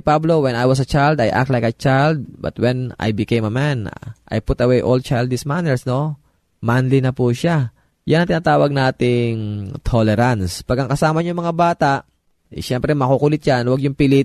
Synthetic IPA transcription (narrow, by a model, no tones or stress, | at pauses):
pablowɛnajwɐs̬ɐt͡ʃajld̪ajʔa̰k̚t̪lajkɐt̚t͡ʃajld̪̚bɐ̰t̪wɛna̰jbɪkejmɐmanʔɐ̰jpʊt̪ɐwɛjʔol̚t͡ʃajld̪ɪsmanɛɹsno̞ | manlinɐpuʃa | janɐŋt̪ɪnaːt̪aːwɐɡ̚naːt̪ɪŋt̪ʰolɛɾanspaɡɐŋkɐsaːmɐɲʊŋmɐŋabaːt̪aʔ | jʃɛmpɾɛmɐkukulɪt̪̚janwɐɡjʊŋpɪlɪt̪̚